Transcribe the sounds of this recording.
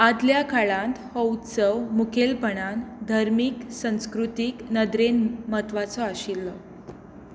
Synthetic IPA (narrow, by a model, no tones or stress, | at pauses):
ad̪ljakʰaɭãnt̪həwt̪səwmukʰelpəɳand̪ʱaɾmiːksə̃w̃skɾut̪iknəd̪ɾenmət̪ʋat͡sɔaɕilːɔ